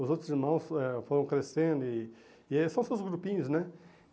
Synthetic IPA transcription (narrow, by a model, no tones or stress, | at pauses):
ʊzowt̪ɾʊziɾmɐ̃w̃sɛfoɾɐ̃w̃kɾesẽnd̪ʊɪ | sɐ̃w̃sewzɡɾupĩɲʊznɛ